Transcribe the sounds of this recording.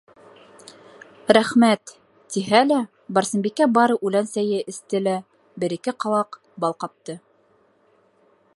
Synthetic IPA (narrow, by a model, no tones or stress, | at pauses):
ɾæχmæt̪ː | iɦælæ | bɑɾsimbikæbɑɾɤʔʉlænsæjɘʔɘ̆st̪ɘlæ | bɘ̆ɾikɘqɑlˠɑq | bɑlˠqɑp̚t̪ɤ